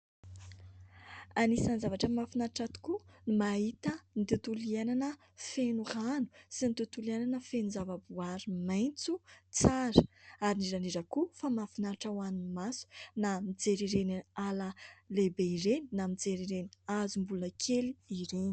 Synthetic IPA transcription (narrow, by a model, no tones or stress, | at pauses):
anisanzavaʈ͡ʂəmafinaʈ͡ʂat̪u̥kunimaɦit̪ənit̪ut̪uliananə | fenuranu̥sinit̪ut̪uliananəfenuzavabuaɾimajnt͡sut͡saɾə̥aɾiniɾaniɾakufamafinaʈ͡ʂawanimasu̥namid͡zeɾiɾenialalebeiɾeninamid͡zeɾiɾeniazumbuləkʰeliiɾeni̥